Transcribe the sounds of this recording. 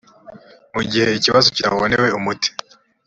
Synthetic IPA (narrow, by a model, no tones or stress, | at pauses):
muɟihe̞iciβazociɾa̰βoneweumuti̥